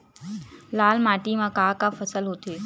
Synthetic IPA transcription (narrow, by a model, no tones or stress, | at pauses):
laːlmaːʈimãːkaːkaːfɐsəlɦot̪ʰeː